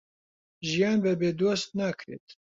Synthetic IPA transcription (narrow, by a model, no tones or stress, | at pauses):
ʒijaːnbɛbeːd̪oːst̪̚nakʰɾḛːt̪